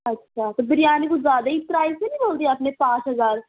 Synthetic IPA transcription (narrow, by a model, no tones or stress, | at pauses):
ətːʃʰaːt̪ebəɾɪjaːnekuzjaːd̪aːiːtɾaːisenĩːboːld̪iːɛəpneːpaːʃɦəzaːɾ